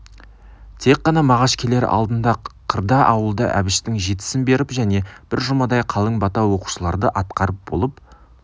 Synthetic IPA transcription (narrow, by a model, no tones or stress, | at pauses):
t̪ʰe̞kqːɑnɑmɑʁɑʃkʲʰele̞ɾ̰ɑ̰lˠd̪ənd̪ɑqʰəɾd̪ɑʔɑwəlˠd̪ə̰ʔæ̰bɪʃt̪ɪŋʒe̞t̪ɪ̥sɪnbe̞ɾɪpʒæne̞b̥ɪɾʒʊmɑd̪ɑjqʰɑlˠəŋbɑt̪ɑwo̞qu̥ʃəlˠɑɾd̪əʔɑt̪̚qɑɾəp̚bo̞lˠəp